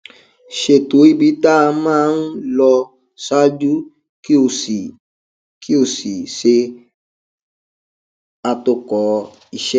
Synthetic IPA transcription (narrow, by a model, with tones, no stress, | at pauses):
ʃe˨to˨˦i˦˨bi˨˦ta˦˧mãː˦˧˦n̩˦lɔ˧ | sa˦d͡ʒu˦ | ki˦o˧˨si˨ | kʰi˦o˦˧˨si˨ʃe˧ | a˧to˧˨kɔ˨ | i˦˧ʃɛ˦